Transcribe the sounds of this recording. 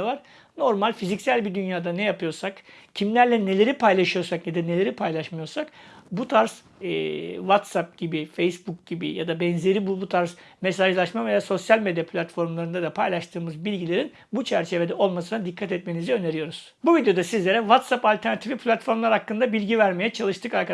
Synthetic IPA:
vaɾ̥ | no̞ɾmalʲfizicsælʲbid̪ynjaːd̪anɛjapʰɯjo̞ɾsakcʰimlʲæɾlʲɛne̞lʲe̞ɾipajlˠaʃɯjo̞ɾsakned̪ɛne̞lʲe̞ɾipʰajlˠaʃmɯjoɾsakbut̪ʰaɾz | ɛvat̪sap̚ɟibifejsbuk̚ɟ̥ibḭja̰d̪abɛnze̞ɾibubut̪ʰaɾzmesaʒlˠaʃmave̞jaːso̞sjalʲme̞d̪japʰlʲat̪fo̞ɾmlˠaɾɯnad̪apʰajlˠaʃt̪ʰɯːmɯzbilʲɟilʲe̞ɾin | but͡ʃʰæɾt͡ʃʰe̞ve̞d̪ɛo̞lˠmasɯnad̪ikʰːat̪ɛt̪me̞niziø̞ne̞ɾijo̞ɾuz̥ | buvid̪jo̞d̪asizlʲe̞ɾɛvat̪sapalʲt̪ʰæɾnat̪ʰifʲipʰlʲat̪fo̞ɾmlˠaɾhakːɯnd̪abilʲɟivæɾmejɛt͡ʃʰalˠɯʃt̪ʰɯkaɾkʰa

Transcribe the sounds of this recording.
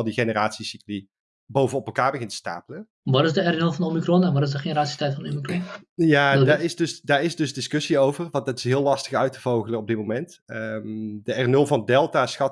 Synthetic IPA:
lˠdiχenəraːtsisikli | bowvənɔpɛlˠkaːɹbəɣɪntə̥sta̰ːpələ | ʋɑtɪzdəɛrnølˠvɑnomikrɔnɛnʋɑtɪzdəχenəɾaːtsi̥tɛjtfɑndomikrɔnjaːdaːɹɪsdɵsdaːɹɪzdɵsdɪskɵsiowvərʋɑndɑtɪ̥sɦɪːlːɑstəχœɥtəv̥owɣələnɔb̚dɪt̚momɛntəmdəɛrnɵlˠvɑndɛlˠtaːsxɑt

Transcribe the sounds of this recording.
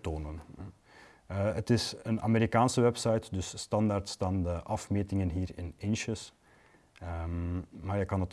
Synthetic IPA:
toːnən | ətɪsəna̰ːmeːɾikaːnsəʋɛpsɑjtdɵsːtɑndaːrtstɑndəʔɑfmeːtɪŋənɦiːrɪnɪnʃəs | mmaːɹjəkɑnət

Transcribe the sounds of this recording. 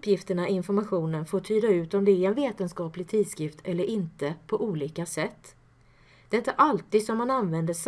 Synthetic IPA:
pːjɪft̪əɳaɪɪnfɔɾmaɧuːnənfoːʈʰyːd̪aʉ̟ːt̪ɔmd̪ɛæɾɛnveːt̪ənskɑːplɪt̪ʰiːd̪skɾɪft̪ʰɛlːəɾʔɪnt̪əpʰɔʔuːliːkasɛt̪ː | d̪ɛɪnt̪əʔalt̪iːd̪sɔmhananvɛnd̪əʂ

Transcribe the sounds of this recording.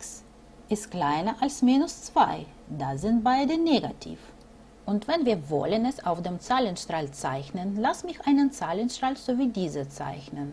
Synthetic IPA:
s | ʔɪstkl̥aɪnɐʔalsmiːnʊst͡sv̥aɪ | dazɪnt̚b̥aɪdəneːɡa̰tʰḭːf | ʔʊntv̥ɛnviːɐvɔ̰lənɛsaʊfd̥eːmt͡saːlənʃtʁ̥alt͡sa̰ɪçnənlasmɪçʔaɪnənt͡saːlənʃtʁ̥alz̥oːviːdiːzət͡sa̰ɪçnən

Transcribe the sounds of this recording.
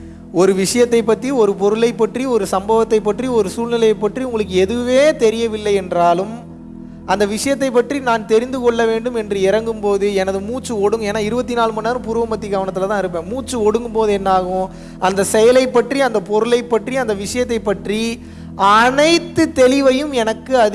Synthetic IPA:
ɔɾɯʋɪʂɐjɐt̪ːɐɪpːɐt̪ːriɔɾɯpɔɾɯɭɐɪpːɐʈriɔɾɯsɐmbɐʋɐt̪ːɐɪpːɐʈriɔɾɯsuːlnɪlɐjɐɪpːɐʈriʊŋɡɐɭɯkːɯɛðɯʋeːt̪ɛɾɪjɐʋɪlːɐɪɛndraːlɯm | ʔɐnd̪ɐʋɪʂɐjɐt̪ːɐɪpːɐʈrinaːnt̪ɛɾɪnd̪ɯkɔɭːɐʋeːɳɖɯmɛndrɯɪɾɐŋɡɯmpoːðɯɛnɐðɯmuːt͡ʃːɯɔɽɯŋɡeːnːaːɪɾɯbɐt̪ːinaːlmuːnːaːɾɯmpʊɾɯʋɐmpɐt̪ːiɡɐʋɐnɐt̪ːɯlɐt̪ãːɪɾɯpːẽːmuːt͡ʃːɯɔɽɯŋɡɯmpoːðɯɛnːaːɣʊ̃ | ʔɐnd̪ɐsɛjɐlɐɪpːɐʈriɐnd̪ɐpɔɾɯlɐɪpːɐʈriɐnd̪ɐʋɪʂɐjɐt̪ːɐɪpːɐʈri | ɐnɐɪt̪ːɯt̪ɛlɪʋɐjɯmɛnɐkːɯɐð

